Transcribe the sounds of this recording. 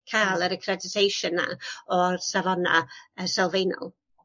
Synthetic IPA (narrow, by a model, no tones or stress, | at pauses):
kʰaːlˠəɾəkʰrɛdɪtʰejʃʊnːa̰ɔrsavɔna̰əsɛlˠvejnɔ̰lˠ